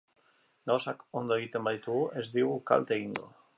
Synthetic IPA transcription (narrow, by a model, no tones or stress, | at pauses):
ɡawsakond̪oit̪embajt̪uezðiwka̰lt̪eind̪o̰